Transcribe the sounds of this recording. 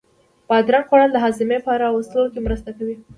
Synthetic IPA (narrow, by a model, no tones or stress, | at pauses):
b̥ɑd̪ɾanqwaɽand̪əɦɑzɪmepəaɾawəst̪əlokemɾəst̪akawi